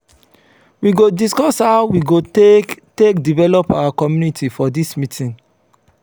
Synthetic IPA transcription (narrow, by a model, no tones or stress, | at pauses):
wiɡodiskɔshaʊwiɡotekdivɛlɔpawakɔmjunitʰifɔdismitʰĩn